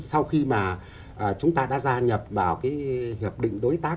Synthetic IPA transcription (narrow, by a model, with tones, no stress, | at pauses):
sa˧wxi˧maː˨˩ | ʔəː˨˩t͡ɕʊ˨˦ŋ͡mt̪aː˧ɗa̰ː˧˥zaː˧ɲə˨˩p̚vaː˨˩wkaː˨˦jhi˨˩əp̚ɗḭ̈˧˨ŋ̟ɗo˨˦jt̪aː˦˥